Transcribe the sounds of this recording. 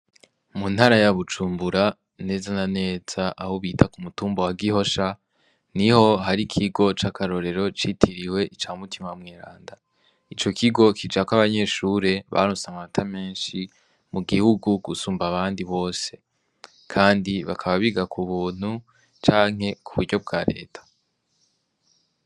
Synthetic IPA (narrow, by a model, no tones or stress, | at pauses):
mun̥haɾajaβut͡ʃuːmbuɾa | ne̞ːzanane̞ːz̥aʔahoβiːtʰakumutuːmbowaɡiɦo̞ʃa | niho̞ɦaɾikʰiɡo̞t͡ʃakaɾo̞ɾe̞ɾo̞t͡ʃitʰiɾiwe̞ʔit͡ʃaːmutimamŋeːɾa̰ːnda | it͡ʃo̞kʰiɡo̞kʰid͡ʒakwaβaɲe̞ʃuːɾe̞βa̰ɾusaŋamatʰame̞ːnʃi | muɡihuɡuɡ̥usuːmbaβaːndiβo̞ːse̞ | kʰaːndiβa̰kʰaβaβiɡakuβuːn̥hu | t͡ʃaːŋ̥ɦe̞kʰuβuɾɟo̞b̚ɡaːɾe̞̰ːtʰḁ